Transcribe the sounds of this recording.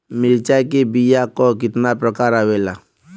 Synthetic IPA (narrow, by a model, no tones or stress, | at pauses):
milt͡ʃakebijakɔkit̪napɾəkaːɾawela